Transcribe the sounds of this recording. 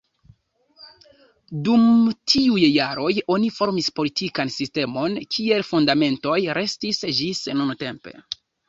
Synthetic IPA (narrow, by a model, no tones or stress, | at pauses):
dumtʰiujjaɾo̞jo̞nifo̞ɾmispo̞litʰikansiste̞mo̞nkʲʰie̞lfundame̞nto̞jɾe̞stisd͡ʒisnunte̞mpe̞̰